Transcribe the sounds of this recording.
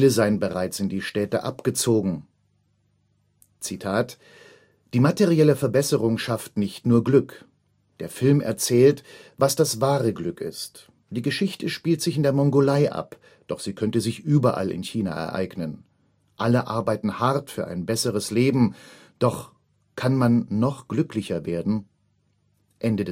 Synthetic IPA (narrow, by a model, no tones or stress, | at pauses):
aləzaɪənbəʁaɪt͡sɪndiːʃtɛːtə̰ʔa̰pɡ̥ət͡soːɡŋ̩ | t͡sitʰaːt | d̥iːmateʁiɛləfɛɐbɛsəʁʊŋʃaftnɪçtnuːɐɡlʏk | d̥eːɐfɪlmɛ̰ɐt͡sɛːltvasd̥asvaːʁəɡlʏkɪ̰st | d̥iːɡəʃɪçtʰəʃpiːltz̥ɪçɪndeːɐmɔŋɡolaɪʔa̰p | d̥ɔχz̥iːkʰœntəzɪçʔyːbɐʔa̰lɪ̰nçiːna̰ʔɛ̰ɐʔa̰ɪɡnən | ʔaləʔa̰ɐbaɪtn̩haʁtfyːɐʔa̰ɪnbɛsəʁəsleːbm̩ | d̥ɔχ | kʰanmanːɔχɡ̥lʏklɪçɐveːɐdn̩ | ʔɛndəd